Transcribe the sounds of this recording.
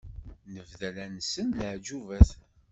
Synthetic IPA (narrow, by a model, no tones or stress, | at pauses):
nəvðælænsənləʕd͡ʒuvæθ